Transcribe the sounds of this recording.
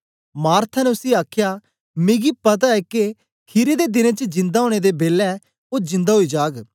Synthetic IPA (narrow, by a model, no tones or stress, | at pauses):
maːɾt̪ʰanɛʊsiaːkʰjaː | mɪ̃ɡipət̪̬aɛːke | kʰiɾed̪ed̪ɪnẽt͡ʃəd͡ʒɪ̃nd̪aːɦoːɽ̃ed̪eːbeːlɛ | oːd͡ʒɪ̃nd̪aɦoːiːd͡ʒaːɡ